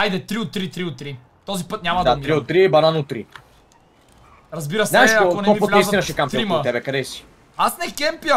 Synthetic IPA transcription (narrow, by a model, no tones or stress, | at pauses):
ajd̪ɛt̪ɾiot̪ːɾit̪ɾiot̪ːɾi | t̪ɔzipɤt̪nʲɲʲamɐd̪amɾiot̪ːɾiɛbɐnanʊt̪ːɾḭ | ɾɐzbiɾɐsɛɛʃɐokonɛɔviot̪aisinɐʃɛkampt̪ɾimɐt̪ɛbɛkɐd̪ɛsi̥ | asnɛkɛmpiɐ